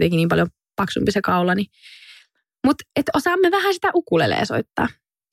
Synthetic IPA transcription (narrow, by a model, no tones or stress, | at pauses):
t̪ekiniːmpɑljom | pɑksṵmpisekɑulɑni | mut̪et̪osɑːmːeʋæhæsi̥t̪æʔukulḛlḛːso̰it̪ːɑ̰ː